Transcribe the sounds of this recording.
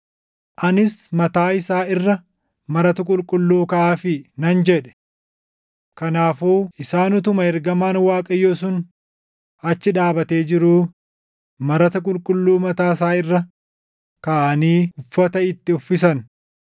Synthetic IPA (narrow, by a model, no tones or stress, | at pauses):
ʔɐnɪsmɐt̪aːɪsaːɪrːɐ | mɐɾɐt̪ɐkʼʊlkʼʊlːuːkɐʔaːfɪnɐnd͡ʒɛᶑɛ̥ | kɐnaːfuːɪsaːnʊt̪ʊmɐɛɾɡɐmaːnwaːkʼɐjoːs̬ʊn | ɐt͡ʃːɪᶑaːbɐt̪e̞ːd͡ʒɪɾuː | mɐɾɐt̪ɐk̬ʼʊlkʼʊlːuːmɐt̪aːsaːɪrːɐ | kɐʔːniːʊfːɐt̪ɐɪt̪ːɪʊfːɪsɐn